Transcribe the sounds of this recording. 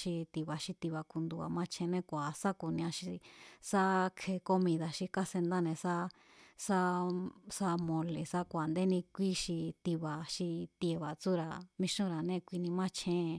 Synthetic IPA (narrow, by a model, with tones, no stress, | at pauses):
ʃi˧t̪i˧βa˨ʃi˧t̪i˧βa˧ku˧nd̪u˧a̰˨mã˦t͡ʃʰẽ˧nẽ˦kʷa˨sa˦ku˨nĩ˧ã˧ʃi˧sa˦kʰe˧ko˦mĩ˧ða˧ʃi˧ka˦se˧nd̪a˦nẽ˧sa˦ | sa˦sa˧mõ˧le˨sa˦kʷa˨nd̪e˦nĩ˧kʷi˦ʃi˧t̪i˧βa˨ʃi˧t̪je˧βa˨t͡su˦ɾa˧mĩ˧ʃũ˦˧ɾa˨nẽ˦˧kʷi˧nĩ˧mã˦t͡ʃʰẽ˧˨